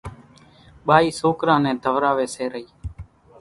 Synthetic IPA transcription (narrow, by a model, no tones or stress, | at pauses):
ɓaːiːsoːkɾãːnɛ̃ːd̪ʱəʋɾaːʋeːseːɾəɦiː